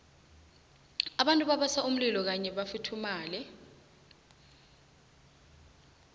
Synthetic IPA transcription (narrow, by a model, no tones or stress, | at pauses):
aɓantʼuɓaɓasaʔum̩lilɔk̬aɲɛɓafitʰumaːlɛ